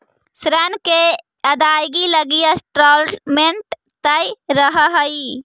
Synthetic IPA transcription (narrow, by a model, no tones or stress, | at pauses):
sɾənke | əd̪ajɡiləɡijəsʈɾɔlmeɳʈ | t̪əjɾəɦəɦəi